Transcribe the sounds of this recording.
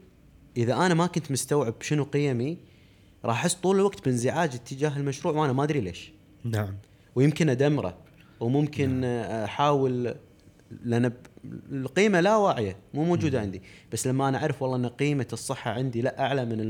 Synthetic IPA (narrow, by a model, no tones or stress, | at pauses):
ʔɪðaʔanamakʊnt̪mʊst̪awʕɪbʃɪnuqijmi | ɾˤɑːʔħɪsːt̪ˤuːlɪlwaɡt̪bɪnzɪʕaːd͡ʒɪt̪ːɪd͡ʒaːɦɪlmaʃɾuːʕwʔanamaʔad̪ɾileːʃ | naʕm | wjɪmkɪnʔad̪amɾˤɑ̰ | wmʊmkʰɪnaħaːwəlː | analqiːmalawaːʕɪjamuːmoːd͡ʒuːd̪aʕɪnd̪ib̥asːlamːaʔanaʔaʕɾˤɪfwɑlˤːɑːʔnːaqiːmasˤːɨħːɑ̰ʕɪnd̪ilaʔʔaʕlamɪnɪ